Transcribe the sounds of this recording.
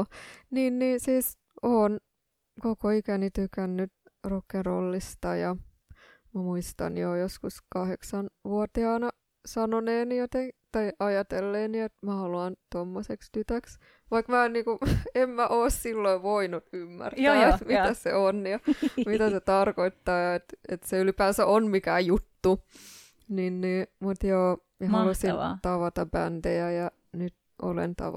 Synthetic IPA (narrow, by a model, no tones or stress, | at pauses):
niːnniːnsiːs | oːn | kokoikænit̪ykænːyt̪ | rokːerolːist̪ɑjɑ | mæmuist̪ɑ̰njojoskuskɑheksɑnʋuot̪iɑːnɑ | sɑnoneːnijot̪eŋt̪ɑiʔɑjɑt̪elːeːniet̪mæhɑluɑnt̪omːosekst̪yt̪æks | ʋɑikmæːnniːkuemmæʔoːssilːoiʋoinut̪ymːæ̰rt̪æːet̪mit̪ːæsḛonjɑmit̪æset̪ɑrkoit̪ːɑːjɑet̪et̪seylipæːsæʔonmikæːjut̪ːu | ninniːmut̪joːmihɑlusit̪ɑʋɑt̪ɑbænt̪eæjɑ | nyt̪ | ʔo̰lḛnt̪ɑ̰ʋ